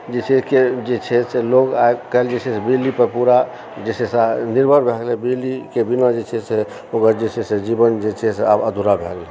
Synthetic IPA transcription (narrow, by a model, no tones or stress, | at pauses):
d͡ʒet͡ʃʰɛked͡ʒet͡ʃʰɛseloɡaekəeld͡ʒet͡ʃʰɛsebilːipəɾpuɾa | d͡ʒet͡ʃʰɛsaniɾbʱəɾbʱeɡlebilikebinad͡ʒet͡ʃʰɛse | okəɾd͡ʒet͡ʃʰɛsed͡ʒibənd͡ʒet͡ʃʰɛseabəd̪ʱuɾabʱḛɡle